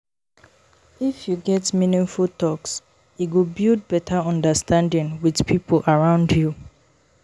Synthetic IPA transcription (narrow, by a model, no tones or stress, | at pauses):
ifjuɡɛtmĩnɪ̃nfutɔks | iɡubild̚bɛtʰaɔ̃ndastʰãndɪ̃ŋwidpʰipʰolʔaɹãʊ̃ndju